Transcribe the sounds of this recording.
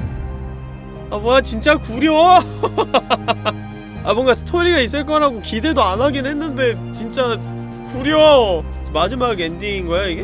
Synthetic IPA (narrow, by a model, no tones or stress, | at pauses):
amoat͡ɕint͡ɕ͈akuɾjo | abʌŋɡasʰɯ̥tʰoɾiɡais͈ɯɭk͈ʌnɦaɡokide̞doanɦaɡinnɦenːɯnde̞ | t͡ɕint͡ɕ͈a | kuɾj | mad͡ʑimaɡendiinɡʌeoiɡe